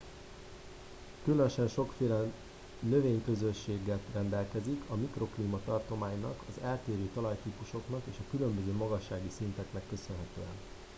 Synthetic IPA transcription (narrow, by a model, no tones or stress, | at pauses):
kylønʃɛnʃo̞kfeːlɛ | nø̞veːɲkø̞zø̞ʃːeːɡɛt̪rɛnd̪ɛlkɛzikʰɒmikro̞kliːmɒt̪ɒrt̪o̞maːɲnɒ̰kɒzɛlt̪eːɾøːt̪ɒlɒjt̪iːpuʃo̞knɒkeːʃɒkylø̞mbø̞zøːmɒɡɒʃːaːɡisint̪ɛknɛkːø̞sø̞nɦɛt̪øːɛn